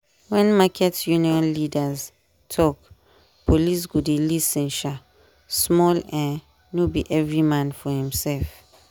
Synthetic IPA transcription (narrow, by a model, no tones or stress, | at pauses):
wɛ̃nmakʰɛtjũniɔ̃nlidaz | tʰɔk | pʰolis̬ɡodelisɛ̃nʃa | smɔlɛ | nobiʔɛvɹimãnfɔhĩmsɛlf